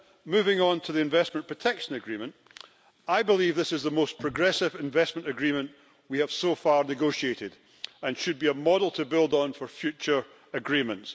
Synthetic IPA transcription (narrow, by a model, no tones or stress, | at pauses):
mʉvɪ̃ŋə̃ntʰəðiɪ̃ɱvɛsmə̃npʰɹ̥ətʰɛkʃə̃nəɡɹimə̃nʔ | aɪbɪlˠivðɪsɪzðəmospʰɹ̥əɡɹɛsɪvɪ̃ɱvɛsmə̃nʔɨɡɹimə̃nʔ | wiəv̥sofaɹnɪɡoʃieʔɪd | ə̃nʃɨd̚biəmɔdl̩ˠtʰəbɪlˠdn̩fə˞fjʉt͡ʃə˞ | əɡɹimə̃nts